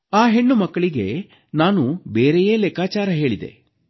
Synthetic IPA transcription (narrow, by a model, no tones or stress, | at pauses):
aːɦe̞ɳːumɐkːɐɭiɡe̞̰ | naːnubeːɾejeːleːkaːt͡ʃaːɾɐɦe̞ːɭid̪e̞̰